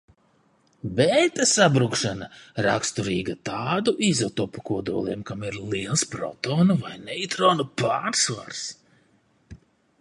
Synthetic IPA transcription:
bɛːt̪asabɾukʃanaɾa̰kst̪uɾiːɡat̪aːd̪uʔizat̪ɔpːu̥kuɔd̪ṵɔlˠḭɛmkamiɾlˠiɛlˠspɾɔ̰t̪ɔːnuvajnɛjt̪ɾɔːnupaːɾsva̰ɾs

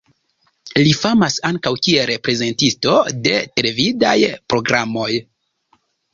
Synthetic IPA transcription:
lifamasaŋkawkieɾe̞pɾe̞ze̞ntisto̞de̞tɾevida̰jpɾo̞ɡɾamo̞j

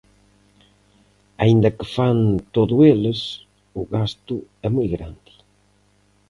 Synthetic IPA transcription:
aind̪akɪfant̪oðʊelɪs | ʊɣast̪ʊɛmojɣɾand̪ɪ̥

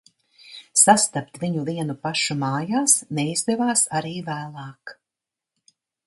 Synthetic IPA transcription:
sast̪ap̚t̪viɲuviɛnupaʃumɑːjaːsnɛizd̪ɛvaːsaɾiːvæːlˠɑːk

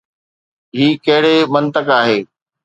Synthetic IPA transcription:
ɦiːkɐɦɪɽemɐ̃nt̪əkaːɦeː

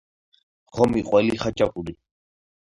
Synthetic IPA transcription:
χɔmiqʼwɛliχat͡ʃʼakʼuli

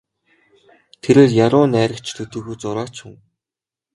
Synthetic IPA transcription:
t̪ʰeɾĕːɮjaɾʊːnæːɾə̆kt͡ɕʰt̪ʰɵt̪ɵ̆ːxuːt͡sʊɾaːt͡ɕxŭŋ

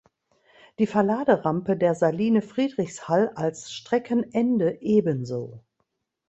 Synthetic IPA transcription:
d̥iːfɛɐlaːdəʁampədeːɐzaliːnəfʁ̥iːdʁɪçshalalsʃtʁ̥ɛkʰənʔɛndəʔeːbənzo̰ː

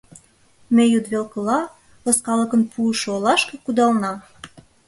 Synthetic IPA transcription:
mejud̪βelkɤ̆lɑ | lɤskɑləkə̆npʰuəʃolɑʃkĕkud̪ɑlnɑ

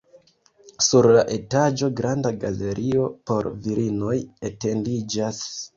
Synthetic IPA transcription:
suɾlaʔe̞tad͡ʒo̞ɡɾandaɡale̞ɾʔio̞po̞ɾviɾino̞jete̞ndid͡ʒas

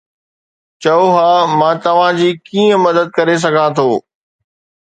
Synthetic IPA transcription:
t͡ɕɐoɦaːmãːt̪ɐʋ̤ãd͡ʑiːkiːə̃mɐd̪əd̪̚kɐɾes̬ɐɡʱãt̪ʰoː

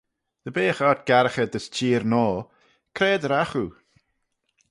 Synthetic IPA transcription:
d̪̥əbeːxat̪̚ɡ̥aɾəxəd̪əst͡ʃʰiːɾnɔː | kʰɾɛːd̪əɾaxu

